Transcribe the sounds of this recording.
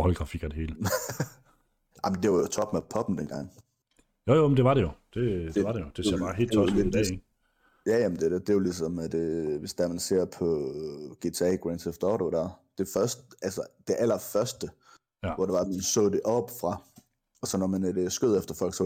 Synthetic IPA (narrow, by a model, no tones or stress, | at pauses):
hɒləɡ̥ʁɑ̈fiɡ̥ɐd̥e̝he̝ːlə | ʔɑ̈ɪmnd̥e̝ʋɑjo̝t͡sʰɒ̽b̥mepʰɒ̽b̥n̩d̥enɡ̥ɑ̈ŋ̰ | jojomənd̥e̝ʋɑ̈ɾejo̝d̥e̝d̥eɑ̈ɾejo̝d̥e̝sbɑ̈ːɦe̝̰ːlt͡sʰɒeidɛ̰ | jæjæmənd̥e̝ded̥e̝jolisɒ̽md̥eʋe̝sd̥æɐmænse̝ɐ̰pʰɒ̽ɡ̥e̝ːt͡sʰeɛ̰ɡ̥ʁɛnd̥sefd̥ɒːɾod̥æɐ̰d̥e̝fɶɐsd̥əʔælsɐd̥e̝ʔæl̰ɐfɶɐsd̥ə | ʋɒd̥e̝ʋɑ̈æ̥mænsɔ̰̽ːd̥e̝ʔɒ̽b̥fʁɑ̈ | ɒ̽sɒ̽nɒmænd̥esɡ̥øð̞̰ˠefd̥ɐfɒ̽l̰ɡ̥sɔ̽